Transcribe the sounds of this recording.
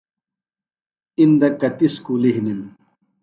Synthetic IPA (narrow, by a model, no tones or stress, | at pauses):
ind̪ɐkɐt̪iskuliɦnim